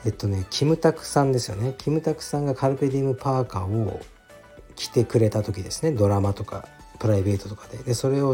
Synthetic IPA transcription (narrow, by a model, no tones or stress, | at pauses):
e̞t̪ːo̞ne̞kʲʰimɯ̟t̪akɯ̟̥sãnd̪e̞sɨjo̞̰nekʲʰimɯ̟t̪akɯ̟̥sãŋɡakaɾɯ̟pe̞d̪ʲimɯ̟paːkao | kʲi̥t̪e̞kɯ̟ɾe̞t̪at̪o̞kʲid̪e̞sɨne̞d̪o̞ɾamat̪o̞ka̰ | pɯ̟ɾaibe̞ːt̪ot̪okḁd̪e̞d̪e̞so̞ɾe̞o̞